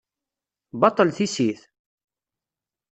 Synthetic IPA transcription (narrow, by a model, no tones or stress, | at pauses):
bɑt̪ˤːəlθisiθ